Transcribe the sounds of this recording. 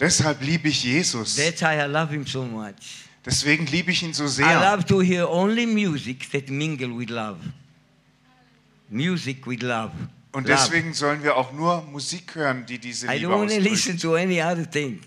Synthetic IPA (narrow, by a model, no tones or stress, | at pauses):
d̥ɛshalpliːbəɪçjeːzʊsdɛtajalavhĩmsomat͡ʃ | d̥ɛsv̥eːɡŋ̩liːbəɪçiːnzoːzeaːlavtuhiõnlimjuzikðɛtmĩŋɡl̩wɪdlav | mjuzikwiðlav | ʔʊntdɛsv̥eːɡŋ̩zɔlənviːɐaʊxnuːɐmuziːkhøːʁəndiːdiːzəajõnwɔ̃nəlisə̃ntuɛniaðəθɪ̃ŋ